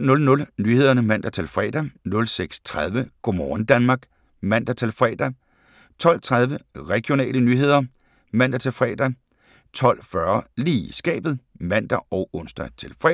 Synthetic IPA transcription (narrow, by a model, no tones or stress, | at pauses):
nɔ̽lnɔ̽lnyːhe̝ð̰ˠɐnəmæn̰d̥æt͡sʰe̝lfʁɛ̰ːd̥ænɔ̽lseɡ̥st͡sʰʁað̞ˠʋəɡ̥o̝mɒːn̩d̥ænmɑ̈ːɡ̥ | mæn̰d̥ɐt͡sʰe̝lfʁɛ̰ːd̥æ | t͡sʰɒ̽l̰t͡sʰʁað̞ˠʋəʁɛɡ̥io̝nɛ̰ːlənyːɦe̝ð̰ˠɐ | mæn̰d̥æt͡sʰe̝lfʁɛ̰ːd̥æ | t͡sʰɒ̽l̰fɶɐliːsɡ̥ɛ̰ːb̥ð̩ˠmæn̰d̥ɐɒ̽ʊɔn̰sd̥ɐt͡sʰe̝lfʁɛ